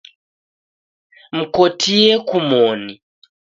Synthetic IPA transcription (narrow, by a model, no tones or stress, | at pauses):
m̩kotʰiekumoni